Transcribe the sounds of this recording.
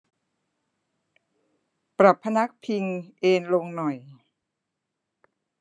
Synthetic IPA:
pɾa˨˩pʰːa˧na˦˥k̚pʰi˧ŋʔeː˧nlo˧ŋnɔ˨˩j

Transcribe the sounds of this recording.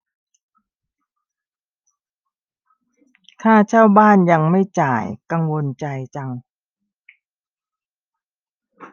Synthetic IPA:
t̪ʰaː˥˩t͡ɕʰaː˥˩wbaː˥˩nja˧ŋma˥˩jt͡ɕaː˨˩jka˧ŋwo˧nt͡ɕa˧jt͡ɕa˧ŋ

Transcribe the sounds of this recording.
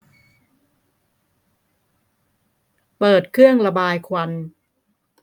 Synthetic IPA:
pɤː˨˩t̪̚kʰɾɯ˥˩əŋla˧baː˧jkʰwa˧n

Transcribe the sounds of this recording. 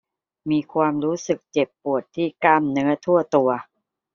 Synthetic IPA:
miː˧kʰwaː˧mɾuː˦˥sɯ˨˩k̚t͡ɕe˨˩pːu˨˩ət̪ʰːiː˥˩ka˥˩mnɯ˦˥ɐt̪ʰu˥˩ɐt̪u˧ɐ

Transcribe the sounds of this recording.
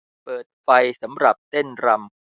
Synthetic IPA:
pɤː˨˩t̪̚fa˧jsa˩˦mɾa˨˩p̚t̪e˥˩nɾa˧m

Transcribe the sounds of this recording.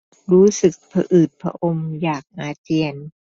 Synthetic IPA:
ɾuː˦˥sɯ˨˩k̚pʰa̰˧ʔɯː˨˩t̪̚pʰɾa̰˧ʔo˧mjaː˨˩k̚ʔaː˧t͡ɕi˧ən

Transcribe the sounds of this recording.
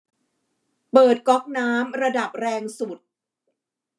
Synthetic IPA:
pɤː˨˩t̪̚kɔ˦˥k̚naː˦˥mɾa˧da˨˩p̚ɾɛː˧ŋsu˨˩t̪̚

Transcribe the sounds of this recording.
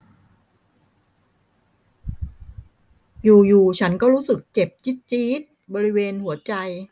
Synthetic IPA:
juː˨˩juː˨˩t͡ɕʰa˦˥nkɔː˥˩ɾuː˦˥sɯ˨˩k̚t͡ɕe˨˩p̚t͡ɕi˦˥t̪̚t͡ɕiː˦˥t̪̚bɔː˧ɾi˦˥weː˧nhu˩˦ɐt͡ɕa˧j

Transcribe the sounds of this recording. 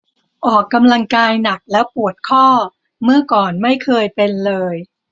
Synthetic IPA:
ʔɔː˨˩kːa˧mla˧ŋkaː˧jna˨˩k̚lɛː˦˥wpu˨˩ət̪̚kʰɔː˥˩ | mɯ˥˩ɐkɔː˨˩nma˥˩jkʰɤː˧jpe˧nlɤː˧j

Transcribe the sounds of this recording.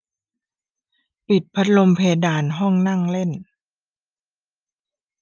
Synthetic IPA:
pi˨˩t̪̚pʰa˦˥t̪̚lo˧mpʰeː˧daː˨˩nɦɔ˥˩ŋna˥˩ŋle˥˩n

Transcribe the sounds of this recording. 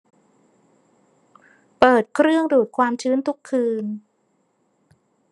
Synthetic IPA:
pɤː˨˩t̪̚kʰɾɯ˥˩əŋduː˨˩t̪̚kʰwaː˧mt͡ɕʰɯː˦˥nt̪ʰu˦˥kʰːɯː˧n

